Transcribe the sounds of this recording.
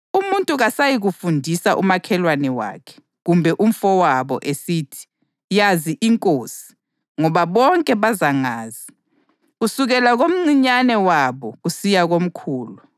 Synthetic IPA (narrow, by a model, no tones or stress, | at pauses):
umuntʼuɣasajiɣufundʱisaʔṵmakʰɛlwanɛwa̰ːkʰɛ̥ | ɣumbʱɛʔum̩fɔwaβɔ̰ʔesiːtʰi̥ | jaziʔiŋkʼoːsi̥ | ŋɔβaβɔŋkʼɛβazaŋaːzi | ɣusuɣɛlaɣom̩ŋ͡ǀiɲanɛwaβɔusijaɣom̩kʰuːlu